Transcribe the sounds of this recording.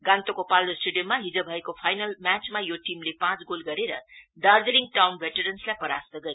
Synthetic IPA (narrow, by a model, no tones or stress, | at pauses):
ɡãnt̪okopalɾosʈuɖijʌmːaɦid͡zobʱʌekopʰajnʌlmat͡smajoʈimlepãt͡sɡolɡʌɾeɾʌ̰ɖardeɾiŋʈawnbʱeʈʌɾʌnslajpʌɾa̰st̪ʌɡʌɾi